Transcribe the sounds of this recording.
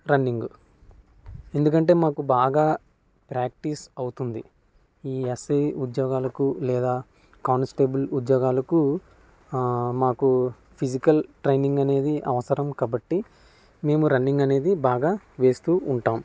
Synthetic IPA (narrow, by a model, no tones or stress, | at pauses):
ɾɐnːiŋɡu | e̞nd̪ukɐɳʈe̞ːmaːkubaːɡaː | pɾaːk̚ʈisɐwt̪und̪i | iːesejud̪jɔːɡaːlɐkulɛːd̪aː | kaːnsʈe̞ːbɐlud̪jɔːɡaːlɐku | maːku | pʰid͡ʒikɐlʈɾejniŋɡɐne̞ːd̪iʔɐ̰ʋɐsɐɾɐmkaːbɐʈːi | me̞ːmuɾɐɳːiŋɡɐne̞ːd̪ibaːɡaː | ʋe̞ːst̪uːuɳʈaːm